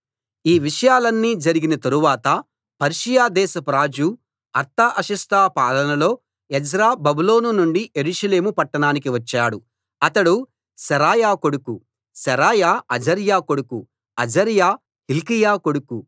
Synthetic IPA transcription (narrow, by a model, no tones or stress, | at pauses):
iːʋiʂɐjaːlɐnːiːd͡ʒɐɾiɡinɐt̪ɐɾuʋaːt̪ɐ | pɐɾʂijaːd̪ɛːsɐpɾaːd͡ʒu | ɐɾt̪ʰaʔɐʃɐst̪ʰaːpaːlɐnɐlo̞ː | ɛd͡ʒɾaːbɐbulo̞ːnunuɳɖiʔe̞ɾuʂɐle̞ːmupɐʈːɐɳaːnikiʋɐt͡ʃːaːɽu | ɐt̪ɐɽu | sɐɾaːjaːko̞ɽuku | sɛɾaːjaːɐd͡ʒɐɾjaːko̞ɽuku | ɐd͡ʒɐɾjaː | hilkijaːko̞ɽuku